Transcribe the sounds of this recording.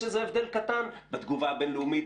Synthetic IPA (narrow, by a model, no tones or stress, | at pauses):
ezeevd̪elkat̪anbet̪ɡuvabenleumi